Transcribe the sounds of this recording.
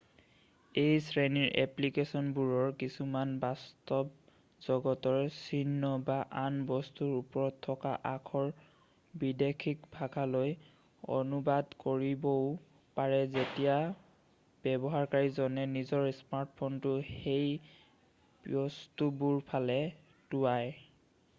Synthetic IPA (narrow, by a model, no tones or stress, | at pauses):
ejsɹeniɹʔɛ̰plikesɔnbuɹɔɹkisumanbastɔb | z̥ɔɡɔtɔɹsinːɔbaʔanbɔstuɹupɔɹɔtʰːɔka̰ʔakʰɔɹ | bidekʰikbʱaɡʰʱaloj | ɔ̰nubadkoɹibɔʊ | paɹɛzetija | b̥ɛbɔɦaɹkaɹizɔnɛnizɔɹsmaɹtpʰɔntʊhej | bɔstubuɹpʰalɛ | tuaj